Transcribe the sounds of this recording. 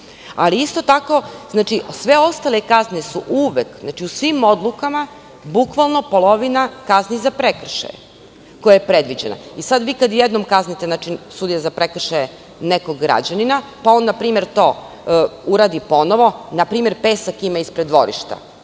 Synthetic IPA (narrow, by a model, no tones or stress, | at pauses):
a̰liist̪o̞t̪ako̞znaːt͡ʃisʋe̞o̞st̪alekaznesuʔuʋekznaːt͡ʃiusʋimo̞d̪lˠukama | bukʋalˠno̞po̞lˠo̞ʋinakaznizapɾekr̩ʃa̰jḛ | kojajepɾed̪ʋid͡ʑena̰isad̪ʋiːkad̪jɛd̪nomkaznit̪eznat͡ʃisud̪ijazapɾekr̩ʃaje | nekoɡːɾa̰d͡ʑaninapao̞ːnːapɾiːme̞ɾt̪o̞ː | uɾaːd̪ipo̞noʋo̞napɾiːmeɾpeːsakimaispɾed̪ʋo̞̰ɾḭʃt̪a̰